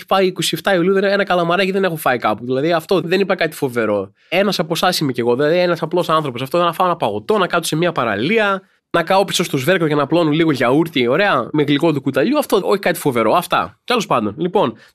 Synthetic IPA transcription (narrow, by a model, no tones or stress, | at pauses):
i̥pɐiːko̞sieft̪ɐiuliuðenenɐkɐlɐmɐɾɐciðene̞xufɐikɐpuðilɐðiɐft̪o̞ðe̞nipɐkɐt̪i̥fo̞ve̞ɾo̞ | e̞nɐsɐpo̞sɐsimece̞ɣo̞ðilɐðienɐsɐplo̞sɐnθɾo̞p̬oɐft̪oðenɐfɐonɐpɐɣo̞t̪o̞nɐkɐt̪o̥se̞miɐpɐɾɐ̰liɐ | nɐkɐopi̥so̞st̪ozve̞ɾkoʝɐnɐplo̞nunliɣoʝɐuɾt̪io̞ɾe̞ɐmeɣliko̞t̪ukut̪ɐʎuɐft̪oo̞çi̥kɐt̪i̥fo̞ve̞ɾo̞ɐft̪ɐ̰t̪e̞lo̞spɐnd̪o̞nlipo̞n